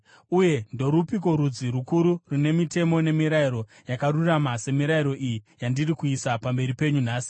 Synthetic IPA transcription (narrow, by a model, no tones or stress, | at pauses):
uje̞ndo̞ɾupiko̞ɾud͡ziɾukuɾurune̞mite̞mo̞ne̞miɾaiɾo̞ | jakaruramase̞miɾaiɾo̞ʔijijandirikuisapambe̞ɾipe̞ɲunaːsi̥